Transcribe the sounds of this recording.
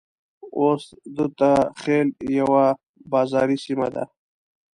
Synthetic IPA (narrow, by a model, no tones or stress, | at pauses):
oːs | d̪ut̪axeljawa | bɑzɑɾisima̰d̪a̰